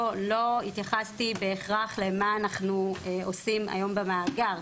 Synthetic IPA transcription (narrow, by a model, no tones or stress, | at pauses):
lo̞it̪jaχastibe̞ːχʁaχle̞maːnaχnueo̞sima̰jo̞mbemaːɡaʁ